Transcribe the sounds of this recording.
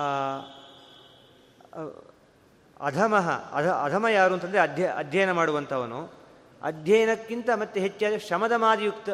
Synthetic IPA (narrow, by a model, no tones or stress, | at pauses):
ɐ̰d̪ʱɐmɐɦɐ̰ɐ̰d̪ʱɐɐd̪ʱɐmɐjaːɾuːɐnt̪ʰːɐnd̪ɾeɐd̪ʱjɐʔɐ̰d̪ʱjɐjɐnɐmaːɽuʋɐnt̪ʰɐʋɐnu | ɐ̰d̪ʱjɐjɐnɐkːint̪ɐmɐt̪ːeɦet͡ʃːjaːd̪eʂɐmɐd̪ɐmaːd̪ijukt̪ɐ